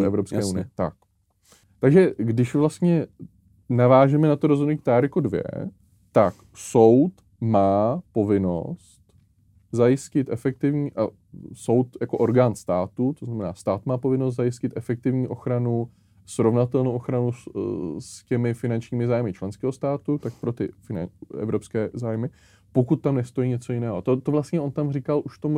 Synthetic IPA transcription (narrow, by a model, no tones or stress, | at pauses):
ɛvɾopskɛːunɪ̰ɛt̪ak̚ | t̪aɡʒɛɡdɪʃvlast̪ɲɛ | navaːʒɛmɛnat̪oɾozɦodnuikt̪aːɾkodvjɛ̰ | t̪ak | so̞wt̪ | maːpo̞vɪno̞̰s | t̪ | zajɪscɪt̪ʔɛfɛk̚t̪ɪvɲiːʔa | so̞wt̪jakoʔoɾɡaːnst̪aːt̪ut̪oznamɛna̰ːst̪aːt̪maːpo̞vɪnost̪zajɪscɪt̪ʔɛfɛk̚t̪ɪvɲiːʔo̞xɾanu | sɾo̞vnat̪ɛlnowʔoxɾanu | scɛmɪfɪnant͡ʃɲiːmɪzaːjmɪt͡ʃlɛnskɛːɦost̪aːt̪ut̪ak̚pɾo̞t̪ɪ̰fɪna̰ɛ̰vɾo̞pskɛːzaːjmɪ | po̞kut̪̚ːamnɛst̪o̞jiːɲɛt͡so̞jɪnɛːɦot̪ot̪ovlast̪ɲɛʔo̞nt̪amrikalʔuʃt̪omu